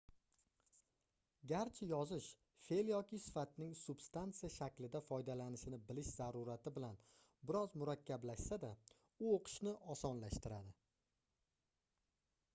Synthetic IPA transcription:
ɡʲaɾt͡ʃʰɪjɒzɪʃ | fe̞ljɒkʲɪsɪ̥fat̪nɪŋsʊb̥st̪ant̪sɨjaʃakʲlɪd̪afɒjd̪alanɪʃɪnɪbɪlɪʃz̥aɾuɾat̪ʰɪbɪlan | bɪɾɒzmʊɾakʲʰːablaʃsad̪a | ʊoqʰɨ̥ʃnɪʔɒsɒnlaʃt̪ɪɾad̪ɪ

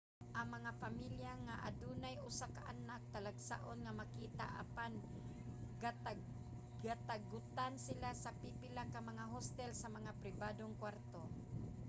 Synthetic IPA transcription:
ʔaŋmɐŋapamiljaŋaʔa̰d̪unajʊsakaʔanak̚t̪alaɡsa̰ʔonŋamakiːt̪a̰ʔa̰pan | ɡaa | at̪aɡʊt̪ansɪlasapipɪlakamaŋaɦost̪ɛlsamaŋapɾɪbad̪oŋkwaɾt̪o

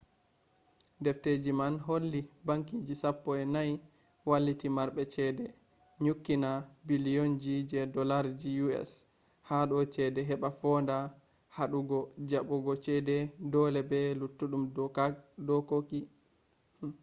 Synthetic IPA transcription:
dɛfted͡ʒimanɦolːibaŋkid͡ʒisapːɔɛnaj | walːitimaɾɓɛt͡ʃɛdɛ | ɲukːinabilijɔnd͡ʒid͡ʒɛdɔlaɾd͡ʒijuɛ̰s | haɗɔt͡ʃɛdɛɦɛɓafɔnda | haɗuɡɔd͡ʒaɓɔɡɔt͡ʃɛdɛdɔlɛbɛlutːuɗumdɔkadɔkoki

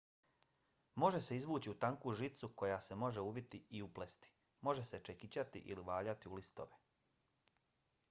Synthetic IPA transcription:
mo̞ʒe̞se̞izʋuːt͡ɕiut̪aŋkuʒit̪suko̞jase̞mo̞ʒe̞uʋit̪iiuplest̪i̥ | mo̞ʒe̞se̞t͡ʃe̞kit͡ɕat̪ḭʔḭliʋaːʎat̪iulist̪o̞̰ʋe

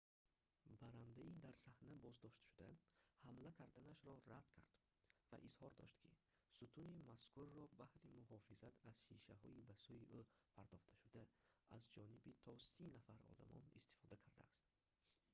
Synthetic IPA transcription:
baɾand̪aid̪aɾsahnabɔzd̪ɔʃt̪ʃud̪ahamlakʰaɾd̪anaʃɾɔɾad̪̥kʰaɾd̪ | va̰ʔizhɔɾd̪ɔ̰ʃt̪kʰḭ | sut̪ʰunimaskʰurːɔbahɾimuhɔfizat̪ʰaz̥ʃiʃahɔibasujiʔupʰaɾt̪ʰɔχt̪ʰḁʃud̪aazd͡ʒɔnibit̪ʰɔsinafaɾɔ̰d̪a̰mɔ̰nḭst̪i̥fɔd̪akʰaɾd̪a̰ːst̪̚

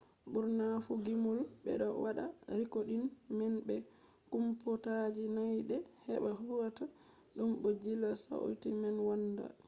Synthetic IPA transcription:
buɾnafuɡimulbɛ̰ɗɔwaɗa̰ɾikoɗinmɛnbɛ | kumpɔtad͡ʒinajɗɛhɛɓahuɡata | ɗumbɔd͡ʒilasa̰o̰timɛnwanda̰

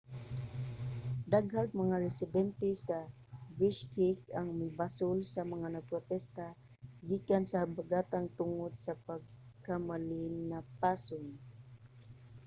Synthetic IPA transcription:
d̪aɡhaɡ̚mɐŋaɾɛsɪd̪ɛnt̪ɛsɐ | bɪskɪkɐŋmɪbasʊlsɐmɐŋanɐpɾot̪ɛst̪a | ɡikansɐhabaɡat̪aŋt̪ʊŋod̪sɐpaɡ̚kamalɪnnapaːsʊn

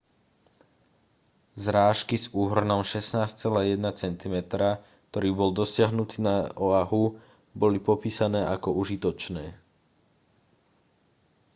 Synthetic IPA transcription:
zɾaːʃkizuːɦr̩nɔmʃɛsnaːst͡sɛlaːjɛd̪nat͡sɛnt̪imɛt̪ɾa | k̚t̪ɔɾiːbɔld̪ɔsɪaɦnut̪iːnaɔaɦu | bɔlipɔpiːsanɛːʔakɔuʒit̪ɔt͡ʃnɛː

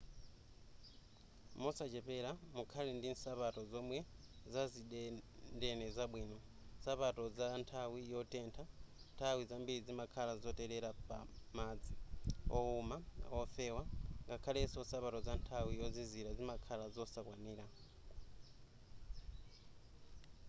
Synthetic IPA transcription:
mɔsat͡ʃɛpɛɾamukʰalɛndinsapatɔzɔmwɛzazindɛnɛzaɓwiːnɔ | sapatɔzantʰawijɔtɛntʰantʰawizambiɾid͡zimakʰalazɔtɛɾɛɾapa̰mad͡ziɔumaɔfɛwaŋɡakʰalɛsɔsapatɔzantʰawijɔziziɾazimakʰalazɔsakwaniːɾa

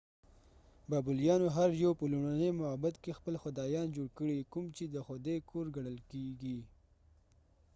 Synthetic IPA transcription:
bɑbʊljɑnoɦaɾjawpəluɽanemʊabat̪kexpəlxʊd̪ɑjɑnd͡ʒoɽkəɽikumt͡ʃed̪əxʊd̪ekʰoɾɡaɽəlkeɡi

